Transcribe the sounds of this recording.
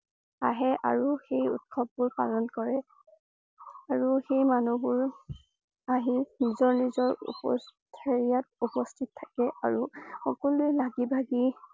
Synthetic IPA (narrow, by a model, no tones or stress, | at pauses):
aɦɛʔa̰ɹuxejṵt̚kʰɔb̚ːʊɹpalɔnkɔɹɛ | aɹuxejmanubʊɹ | aɦinizɔɹnizɔɹṵpɔ̰stʰaɹijatupɔstʰittʰːakɛʔaɹuxɔkɔlʊjlaɡibʱaɡi